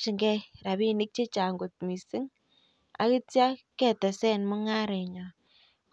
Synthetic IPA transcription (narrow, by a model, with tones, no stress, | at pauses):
ʃi˨ŋɡɛ˦ɾa˨βi˦ni˦k̚t͡ʃe˦t͡ʃa˨ŋɡo˨t̚mi˨sɪ˦ŋ | a̰˨˦ki˦tja˦kɛ˦˨tɛ˨sɛ˦˨nmʊ˦ŋa˦ɾe˨ɲɔ˨ | k